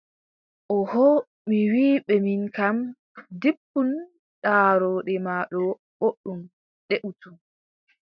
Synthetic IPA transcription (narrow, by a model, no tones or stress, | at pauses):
ʔɔhɔ | miwiːɓɛminkam | dipːun | ɗaːɾɔːɗɛmaːɗɔ | ɓoɗːum | ɗeʔutun